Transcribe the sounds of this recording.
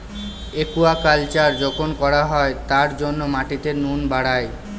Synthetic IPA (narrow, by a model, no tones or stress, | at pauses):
ekuakalt͡ɕaɾd͡ʑokonkɔɾaɦɔet̪aɾd͡ʑonːomaʈit̪enunbaɽae